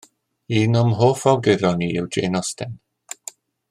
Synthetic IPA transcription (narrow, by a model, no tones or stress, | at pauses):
iːnɔmɦoːfɔwɡɪɾɔniɪwd͡ʒḛːnɔstɛn